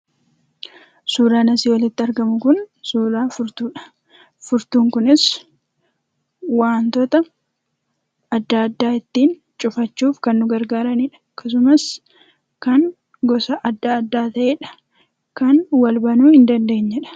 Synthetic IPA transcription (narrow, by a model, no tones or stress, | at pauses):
suːɾaːnɐsiːwɐlɪt̪ːɪɐɾɡɐmʊkʊnsuːɾaːfʊɾt̪uːᶑɐ̥ | fʊɾt̪uːŋkʊnɪs | waːnt̪ɔt̪ɐ | ɐd̪ːaɐd̪ːaːɪt̪ːiːn | t͡ʃʼʊfɐt͡ʃːuːfkɐnːʊɡɐɾɡaːɾɐniːᶑɐ̥ | kːɐs̬ʊmɐs | kɐn | ɡɔsɐʔɐd̪ːaːd̪ːaːt̪ɐʔeːᶑɐ̥ | kɐnwɐlbɐnuːhɪnd̪ɐnd̪e̞ːɲːɛᶑɐ̥